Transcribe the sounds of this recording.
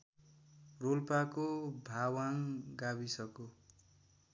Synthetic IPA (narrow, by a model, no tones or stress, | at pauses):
rolpakobʱawaŋɡabisʌko